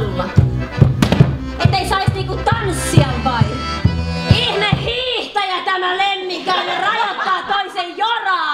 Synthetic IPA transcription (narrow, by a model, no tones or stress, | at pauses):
lːɑ | et̪ːˑeisɑisniːŋkut̪ɑnsːiɑmpɑin | ihnehhiːht̪ɑjæt̪æmælemːiŋkæːnerɑjɑt̪ːɑːt̪oisejjorɑː